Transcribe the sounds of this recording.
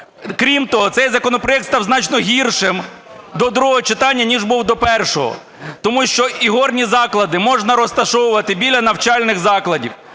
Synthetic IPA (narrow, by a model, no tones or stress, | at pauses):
kɾʲimt̪ɔɦɔsɛjzɐkɔnɔpɾɔjɛk̚t̪st̪ɑwznɑt͡ʃnɔɦʲirʃɪm | d̪ɔd̪ɾuɦɔɦɔt͡ʃɪt̪ɑnʲːɐnʲiʒbuwd̪ɔpɛrʃɔɦɔ̰ | t̪ɔmuʃt͡ʃɔiɦɔrnʲizɑklˠɐd̪ɪmɔʒnɐɾɔst̪ɐʃɔwʊʋɐt̪ɪbʲilʲɐnɐwt͡ʃɑlʲnɪxzɑklˠɐdʲiw